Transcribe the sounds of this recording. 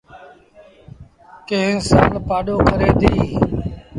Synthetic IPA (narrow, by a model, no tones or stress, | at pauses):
kẽɦɪ̃ːsa̰ːlpaːɗoːkʰəɾeːd̪iː